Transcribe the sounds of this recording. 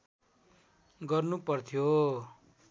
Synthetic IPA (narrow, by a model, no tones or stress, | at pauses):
ɡʌrnupʌrt̪ʰijo